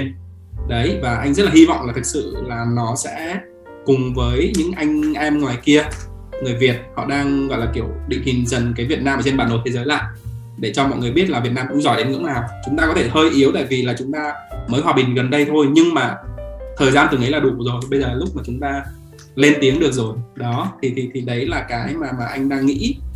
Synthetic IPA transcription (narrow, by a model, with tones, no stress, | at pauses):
e˧n | ɗə˨˦jvaː˨˩ʔa˧jŋ̟zə˦˥t̚laː˨hi˧vɔ̰˧˨wŋ͡ma˨˩t̪ʰɨ˨˩k̚sɨ̰˧˨laː˨˩nɔ˨˦sɛ̰˧˥ | kʊ˨˩ŋ͡mvəː˨˦jɲɨ̰˧˥ŋʔa˧jŋ̟ʔɛ˧mŋwaː˨˩jki˧ə | ŋɨ˨˩əjvi˨˩ət̚hɔ̰˧˨ɗaː˧ŋɣɔ̰˧˨jlaː˨˩ki˧˩əwɗḭ˧˨hï˨˩ŋ̟zə˨˩nkaː˨˦vi˨˩ət̚naː˧mʔəː˧t͡ɕe˧nɓaː˧˩nːo˨˩jt̪ʰe˨˦zəː˨˦jla̰ː˧˨j | ɗe˧˩t͡ɕɔ˧mɔ̰˧˨jŋɨ˨˩əjɓi˦˥ət̚laː˨˩vi˨˩ət̚naː˧mkʊ̰˧˥ŋ͡mzɔ˧˩jɗe˨˦nŋɨ̰˧˥ŋnaː˨˩wt͡ɕʊ˨˦ŋ͡mt̪aː˧kɔ˨˦t̪ʰe˧˩həː˧jʔi˨˦əwt̪a̰ː˧˨jvi˨˩laː˨˩t͡ɕʊ˨˦ŋ͡mt̪aː˧məː˨˦jɦwaː˨˩ɓï˨˩ŋ̟ɣə˨˩nɗə˧jt̪ʰo˧jɲɨ˧ŋmaː˨˩t̪ʰəː˨˩jzaː˧nt̪ɨ˨˩ŋʔə˨˦laː˨˩ɗu˧˨˩zo˨˩jɓə˧jzəː˨˩lːa˨˩lʊ˦˥k͡p̚maː˨˩t͡ɕʊ˨˦ŋ͡mt̪aː˧ | le˧nt̪i˨˦əŋɗɨ˨˩ək̚zo˨˩jɗɔ˨˦t̪ʰi˨˩t̪ʰi˨˩t̪ʰi˨˩ɗə˨˦jlaː˨˩kaː˨˦jmaː˨˩maː˨˩ʔa˧jŋ̟ɗaː˧ŋːḭ˧˥